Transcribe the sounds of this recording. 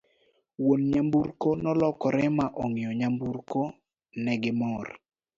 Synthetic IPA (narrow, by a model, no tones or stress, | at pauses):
wonɲamburkonɔlɔkɔɾɛmaʔɔŋɪɔɲambuɾko | nɛɡɪmɔr